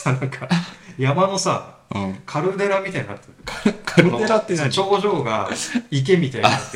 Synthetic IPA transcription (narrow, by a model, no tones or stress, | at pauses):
sanãŋkʰajamano̞sa̰ɯ̃kʰaɾɯd̪e̞ɾamʲit̪ainaat̪ːekʰɾɯeɾaest͡ɕo̞ːʑo̞ːɡaik̬e̞mʲit̪aia